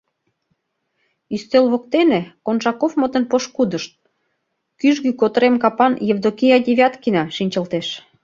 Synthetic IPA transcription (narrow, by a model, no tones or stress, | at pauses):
yst̪elβokt̪enekonʒɑkofmə̆t̪ə̆npoʃkud̪əʃt̪̚ | kyʒɣykot̪əɾemkɑpɑnjevd̪okijɑd̪ʲeβʲɑt̪kinɑʃinʲt͡ɕə̆lt̪eʃ